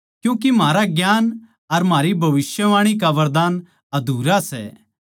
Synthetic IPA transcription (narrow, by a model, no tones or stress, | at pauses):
kjũːkimaːɾaɡjaːn | ɐɾmaːɾibʱɐʋɪsjəʋaːɽ̃ik̬aʋɐɾd̪aːn | ɐd̪ʱuːɾasɛ̰